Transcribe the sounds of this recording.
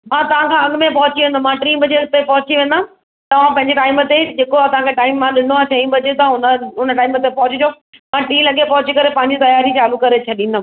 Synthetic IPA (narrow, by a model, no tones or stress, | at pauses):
mãːt̪ɐʋãkʰãɐɠʊmẽpɐɦʊt͡ɕiʋẽːnd̪omãːʈɾĩːbɐd͡ʑeʊt̪epɐɦʊt͡ɕiʋẽːnd̪a | t̪ɐʋ̤ãpɐ̃ɦɪ̃ɲd͡ʑeʈaːɪmət̪ed͡ʑeːkoɐsãkʰeʈaːɪmːãɗɪ̃nd̪oaːt͡ɕʰɐĩj̃ũbɐd͡ʑet̪ɦʊnəʊnəʈaːɪmət̪epɐɦʊt͡ɕid͡ʑʰo | mãːʈĩːlɐɠepɐɦʊt͡ɕikɐɾepɐ̃ɦɪ̃ɲd͡ʑit̪ɐjaːɾit͡ɕaːlukɐɾet͡ɕʰɐɗĩːnd̪o